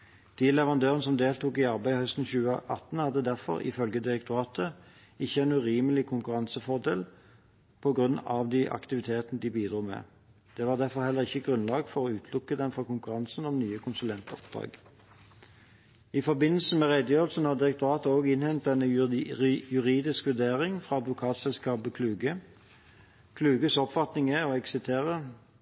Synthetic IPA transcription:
d̪̥iːlɛʋəʁɑnd̪øːʁənəsɔmd̪eːlt̪uːkɪɑʁbæɪhœst̪n̩çʉːəʔɑt̪nhɑd̪ːəd̪æʁfɔ̰ʁɪ̰fœlɡəd̪ɪʁɛk̚t̪ʰʊʁɑːt̪ə | ɪçːəɛnʉːʁiːməlɪkʰʊŋkʉʁɑnsəfɔʁd̪ḛːl | pʰɔɡʁʉnːɑʋd̪iʔɑ̰kt̪ɪʋɪt̪ʰeːt̪ənəd̪ibiːd̪ɾuːmɛ̰ː | d̪̥ɛːʋɑːʁd̪æʁfɔʁhɛlːəʁɪçːəɡʁʉnlɑːɡfɔʁɔʉːt̪ʰlʊkːəd̪ɛnfʁɑkʊŋkʉʁɑnsn̩ɔmnyːəkʰʊnsʉlɛnt̪əɔ̰p̚d̪̥ʁɑ̰ːɡ | ɪfɔbɪnːəlsəmɛʁed̪əjøːʁəlsn̩hɑʁd̪ɪʁəkt̪ʊʁɑːt̪əoːɡɪnhɛnt̪̚d̪ɛnːə | jʉʁiːd̪ɪskʋʉd̪eːʁɪŋfʁɑɑd̪ʋʊkʰɑːt̪sɛlskɑːbəkʰlʉːɡə | kʰlʉːɡəsɔpfɑt̪nɪŋəɔɛksɪt̪ʰeːʁə

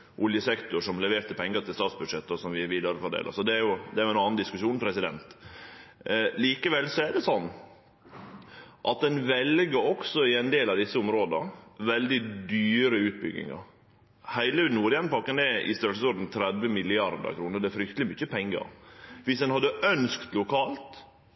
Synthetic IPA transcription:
ʔʊljəsɛkt̪ʊʂɔmlɛʋeːɾt̪əpʰɛŋːɡət̪ʰɪlst̪ɑːt̪sbʉd̪ʂɛt̪ːɔsɔmʋɪʋɪːd̪ɑɾəfɔɖ̪ḛːlə̰sɔd̪ɛæɾjʊd̪ɛæɾjʊɛnɑːnnd̪ɪskʉʂuːnpʰɾɛsɪd̪ɛ̰nt̪ | liːkəʋɛlsɔæɖ̪ɛsɔnː | ʔɑt̪̚d̪ɛnʋɛlɡəɾɔksɔɪɛnd̪eːlɑʋd̪ɪsːəʊmɾoːd̪ɑʋɛld̪ɪd̪yːɾəʉːt̪̚bʏɡɪ̰ŋɑ̰ɾ | hæɪlənuːɾɪjɛnpɑkːənɛʔɪ̰st̪œɾsəsɔɾd̪n̩t̪ʰɾɛd̪ʋəmɪlɪɑɾd̪ə̰ɾkʰɾuːnəd̪ɛæfɾʏkt̪əlɪmʏçːəpʰɛŋːɡə̰ɾʋɪsd̪ɛnhɑd̪ːəʔœnskt̪lʊkʰɑːlt̪

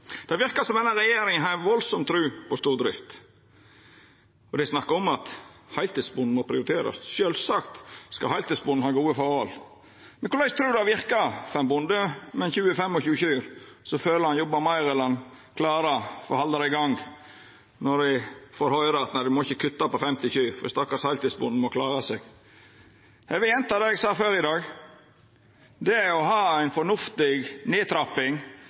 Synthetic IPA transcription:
d̪̥ɛɑʋɪɾkɑsɔmd̪ɛnːɑɾɛjeːɾɪŋənɦɑɾɛnʋɔlsɔmt̪ʰɾʉːpɔst̪uːɾd̪ɾɪ̰ft̪ | ɔd̪ɛsnɑkːɑɔmɑt̪hɑɪlt̪ɪsbʊnd̪n̩mɔpʰɾɪʊɾɪt̪ʰeːɾɑ̰sʃøːlsɑkt̪skɑhɑɪlt̪ɪsbʊnn̩hɑːɡuːəfɔːhɔl | mɛnkʊlɑɪst̪ʰɾʉːd̪ɑʋɪɾkɑfɛmbʊnd̪əmɛnçʉːəfɛmːɔçʉːçʉːɾsɔføːləɾhɑnjɔbɑmɑɪɾɛlɑnkʰlɑːɾɑfɔ̰hɑld̪əɾæɪɡɑŋ | nɔdæfoːɾhɔʏɾəɑt̪næɪd̪ɪmɔɪçːəkʰʉt̪ːɑpɔfɛmt̪ɪçʉːfɔd̪ɪst̪ɑkːɑsæɪlt̪ɪsbʊnd̪n̩mɔkʰlɑːɾɑseːɡ̥ | hɛʋɪɛnt̪ɑd̪ɛɡsɑːføːɾɪd̪ɑːɡ | d̪ɛæɾɔɦɑːæɪnfɔɳʊft̪ɪɡneːt̪ʰɾɑpːɪŋ

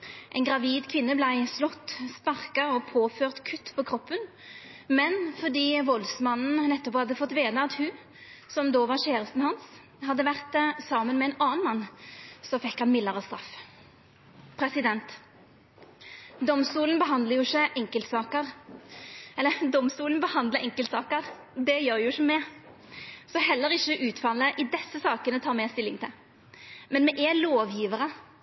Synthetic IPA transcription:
ʔɛɪnɡʁɑʋiːd̪kʰʋɪnːəblæɪslɔt̪ːspɑʁkɑɔpʰoːføːʁt̪kʰʉt̪ːpʰɔkʰʁɔpːən | mɛnfɔd̪iːʋɔlsmɑnn̩nɛt̪ːɔpɔhɑd̪ːəfɔt̪ːʋeːd̪əɑt̪hʉ | sɔmd̪oːʋɑʁɕeːʁəst̪n̩hɑns | hɑd̪ːəʋæʁt̪sɑːmənmɛɛnɑːnmɑnːsɔfɛkːhɑnmɪləʁɔst̪ɾɑf | pʰɾɛsɪd̪ɛnt̪ | d̪ɔmst̪uːlənbəɦɑnd̪ləjʊɪçːəʔɛŋkəlt̪sɑːkəʁ | ɛlːəd̪ɔmst̪uːln̩bəhɑnd̪ləɛŋkəlt̪sɑːkəɾ | d̪ɛjøːɾjʊɪçəmɛ | sɔɦɛlːəɾɪçəʔʉːt̪fɑlːəʔɪd̪ɛsːəsɑːkənət̪ʰɑːʁmɛst̪ɪlːɪŋt̪ʰɪl | mɛnmɛʔɛloːʋjiːʋəɾə

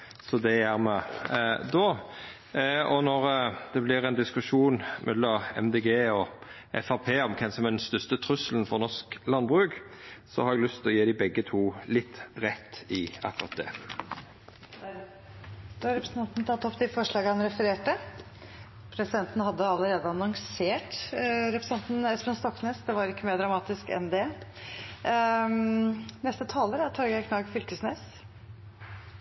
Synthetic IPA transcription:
sɔd̪ɛjæːɾmɛd̪oː | ɔnɔɾd̪̥ɛblɪɾæɛɪnd̪ɪskʉʂuːnmʔɛ̰d̪lɑɛ̰md̪eɡeːɔ | ʔɛfɑpʰeːɔmkʰɛnsɔmæd̪ɛnst̪œst̪ət̪ʰɾʉsəlnfɔʁnɔʂklɑnbʁʉːɡsɔ̰hɑɾɛɡlʏst̪ʰlɔjeːd̪ɪbɛɡːət̪ʰuːlɪt̪ːʁɛt̪ːɪɑkːʊɾɑ̰t̪̚d̪ɛ̰ | d̪ɾɛpɾsn̩ʰɑnt̪nt̪ʰɑt̪ːɔpːd̪ɪfɔʂɭɑːɡəhɑnɾɛfəɾeːʈə | pʰɾɛsɪd̪ɛnt̪n̩hɑd̪ːəɑlːəɾeːd̪əɑnɔŋseːʈɾɛpɾst̪ɛnt̪n̩ɛspənst̪ɔkːneːsd̪ɛʋɑɾɪkːəmeːɖɾɑmɑːt̪ɪskɛ̰nd̪ɛ | nɛst̪ət̪ʰɑːləɾæt̪ʰɑɾɡækʰnɑːɡfʏlkəsneːs

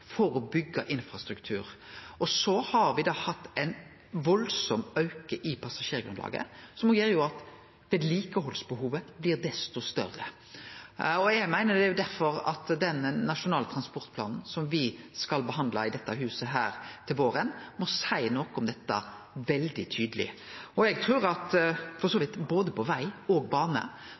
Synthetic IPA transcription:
fɔɾɔbʏɡːəʔɪnfɾɑst̪ɾʉkt̪ʰʉːɾɔsɔhɑɾʋɪd̪ɑːhɑt̪ːɛɪn | ʋɔlsɔmɑʉkəʔɪpʰɑsɑʂeːɾɡɾʉ̰nlɑ̰ːɡə̰sɔmɡjeːɾjʊɑt̪ | ʋeːd̪liːkəhɔlsbəhuːʋəblɪʁd̪ɛst̪ɔst̪œ̰rːə̰ | ɔjæɡmæɪnəd̪ɛjʊd̪æɾfɔɾɑ̰t̪d̪ɛnnɑʃʊnɑːlət̪ʰɾɑnspɔɾt̪pʰlɑ̰ːnn̩sɔmʋɪskɑlbəɦɑnd̪lɑɪd̪ɛt̪ːɑɦʉːsəɦæːɾt̪ʰɪlʋoːɾənmɔsæɪnɔkɔmd̪ɛt̪ːə̰ | ʋɛld̪ɪt̪ʰyːd̪əlɪ̰ɔɛɡ̚t̪ʰʁʉːɾɑt̪fɔʁsoːʋɪt̪ːboːd̪əpʰɔʋæɪɔɡbɑːnə̰

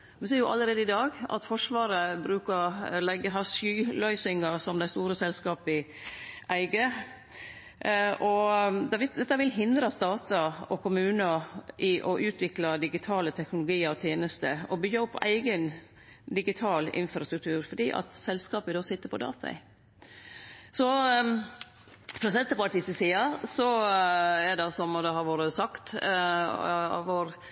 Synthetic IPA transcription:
ʋɛsiːɾjʊʔɑləɾeːd̪əɪd̪ɑːɡɑ̰t̪fɔʂʋɑːɾəbɾʉːkəlɛɡːəɦɑsyːlœʏsɪŋɑsɔmd̪æɪst̪uːɾəsɛlskɑːpɪʔæɪɡə | ʔɔd̪ɛʋd̪ɛt̪ːɑʋɪlɦɪnd̪ɾɑst̪ɑːt̪ɑɔkʰʊmʉːnəʔɪʔɔʔʉːt̪ʰʋɪklɑd̪ɪɡɪt̪ʰɑːlət̪ʰɛknʊlʊɡiːəɾɔt̪ʰjeːnəst̪əɔbʏɡɑɔpʰːʔæɪɡən | d̪ɪɡɪt̪ʰɑːlɪ̰nfɾɑst̪ɾʉk̚t̪ʰʉːɾfɔɖiːʔɑ̰t̪sɛlskɑːpɪd̪oːsɪt̪ːəɾpʰɔd̪ɑ̰ːt̪ʰɑ̰ɪ̰ | sɔ | fɾɔsɛnt̪ːəpɑt̪ɪsəsiːɑsɔ | ɛɖɑsɔmɔd̪ɛɦɑɾʋoːɾəsɑkt̪ | ɑ̰ʋoːɾ

